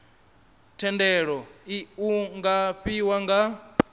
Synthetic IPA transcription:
tʰɛndɛɺɔiuŋɡaɸiwaŋɡa

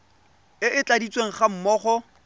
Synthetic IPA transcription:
ɪʔɪt͡ɬʼadit͡sʼweŋ̩χam̩mɔːχɔ

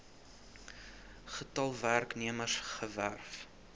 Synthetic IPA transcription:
χətɐlˠværkniəməsχəværf

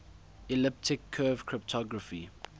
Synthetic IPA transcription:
ɛlɪp̚tʰɪkʰːɜvkʰɹɪptʰɔɡɹəfi

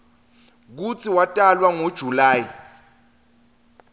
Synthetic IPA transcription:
k̬ut͡sʰiwatʼalwaŋod̥ʒ̥ʱulaːji

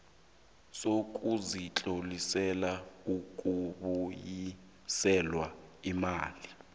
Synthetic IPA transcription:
sok̬ʼuzit͡ɬʼolisɛlaukʼuɓuji | sɛlwaimaːli

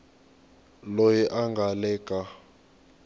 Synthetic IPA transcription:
lojiʔaŋɡʱalɛːkʼa

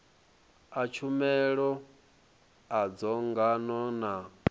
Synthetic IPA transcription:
at͡ʃʰumɛɺɔ | ad͡zɔŋɡanɔna

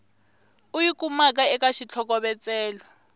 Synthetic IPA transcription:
ujikʼumak̬ʼaɛkaʃit͡ɬʰɔk̬ʼɔɓɛt͡sʼɛːlɔ

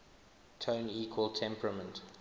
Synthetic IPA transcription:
tʰõʊ̃niːkʰwəlˠtʰɛ̃mpʰɹəmə̃nt

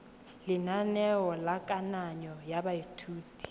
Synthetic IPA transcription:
lɪnanɛwɔlakʼanaɲɔjabaitʰuːtʼi̥

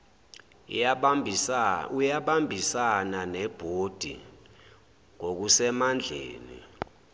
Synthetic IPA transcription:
ujaɓambʱisananɛb̥ʱod̥ʱi | ŋok̬usɛmand͡ɮʱḛːnḭ

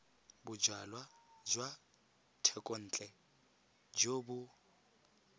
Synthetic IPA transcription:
bʊd͡ʒwalwad͡ʒwa | tʰɛkʼon̩ːt͡ɬʼɛ | d͡ʒobʊ

